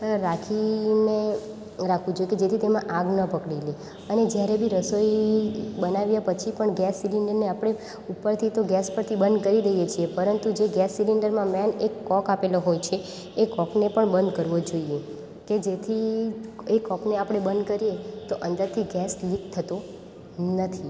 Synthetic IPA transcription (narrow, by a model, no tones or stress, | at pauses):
ɾakʰine | ɾakʰʋũd͡ʒojeked͡ʒet̪ʰit̪emãʔaɡnəpəkɽile | əned͡ʒjaɾebʱiɾəsoibənaʋjapət͡ʃʰipəɳɡɛsːiliɳɖəɾneapɽ̃e | upəɾt̪ʰit̪oɡɛspəɾt̪ʰibənd̪kəɾiɾəɦijet͡ʃʰiepəɾənt̪ud͡ʒeɡɛsːiliɳɖəɾmãmɛnekːɔkapeloɦojt͡ʃʰeː | kɔknepəɳbənd̪kəɾʋod͡ʒoie | ked͡ʒet̪ʰi | ekɔkneapɽ̃ebənd̪kəɾiet̪oʔə̃nd̪əɾt̪ʰiɡɛslik̚t̪ʰət̪o | nət̪ʰi